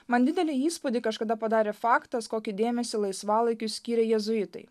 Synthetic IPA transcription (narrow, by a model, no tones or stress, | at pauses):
mɐnd̪ʲɪd̪ʲɛlʲɪiːspʊd̪ʲɪkɐʃkɐd̪ɐpɐd̪ɑːɾʲeːfɑːkt̪ɐskoːkʲid̪ʲeːmʲɛsʲɪlˠɐɪsʋɑːlˠɐɪkʲʊsʲkʲiːɾʲɛjɛzʊɪt̪ɐ̰ɪ